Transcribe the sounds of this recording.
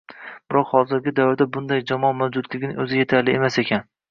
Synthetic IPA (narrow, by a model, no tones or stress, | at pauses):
b̥ɪɾɒqhɒzɪɾɡʲɪd̪avɪɾd̪abʊnd̪ajd͡ʒɒmɒmawd͡ʒʊd̪lɪɡʲɪnɪɵzɪje̞t̪ʰaɾlɪemasekʲʰan